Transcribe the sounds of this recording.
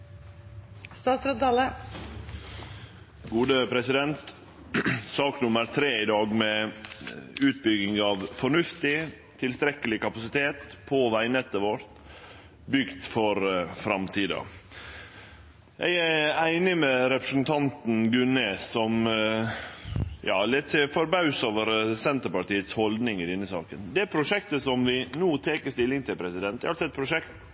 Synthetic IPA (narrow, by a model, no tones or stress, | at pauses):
st̪ɑːt̪sɾøt̪̚d̪ɑːlə | ɡuːd̪əpʰɾɛsɪd̪ɛnt̪ | sɑːknʊməɾt̪ʰɾeːɪd̪ɑːɡmɛ | ʉːt̪̚bʏɡɪŋɑʋfɔɳʉft̪ɪ | t̪ʰɪlst̪ɾɛkəlɪkɑpɑsɪt̪ʰeːt̪pʰoːʋæɪnɛt̪əʋoɾt̪ | bʏɡd̪fɔɾfɾɑmt̪ʰiːd̪ɑ̰ | jæɪææɪnɪmɛɾɛpɾəsnt̪ʰɑnt̪nɡʉnəsɔm | jɑ̰ːlɛt̪sifɔɾbɑʉsoʋəɾsɛnt̪əɾpɑʈiːət̪shɔld̪nɪŋɪd̪ɛnːəsɑ̰ːkənd̪ɛæɾpʰɾʊʂɛkt̪əsɔmʋɪnuːt̪ʰeːkəst̪ɪlːɪŋt̪ʰɪlpʰɾɛsɪd̪ɛnt̪ːɛ̰ɑlsɔɛt̪pʰɾʊʂɛkt̪